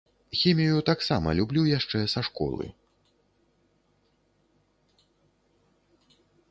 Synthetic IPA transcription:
xʲɛmʲijjut̪aksamɐ̰lʲublʲujaʂt͡ʂɛsaʂkɔ̰lˠɨ̰

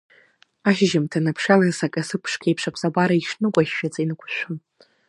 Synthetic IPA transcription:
aʃʒɪmtʰanapʰʂalasakʼasɨpʰʂkʲʰajpʰʂakʷʰsʼabʷaɾaiʂnɨkʷʼaʃːᶣad͡zainɨkʷʰʼʃʷᶣʊn

